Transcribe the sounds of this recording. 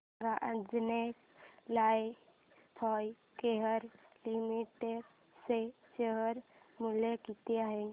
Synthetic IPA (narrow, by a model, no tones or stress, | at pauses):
ɡaʔad͡ʒnek | laj | pʰɔj | keɦəɾlimiʈeɖ | se | t͡ʃeɦəɾmulekit̪eaɦe